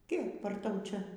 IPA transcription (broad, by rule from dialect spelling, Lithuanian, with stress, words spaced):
ˈkʲɛɪp ɐr ˈtɐʊ ˈt͡ʃʲɛ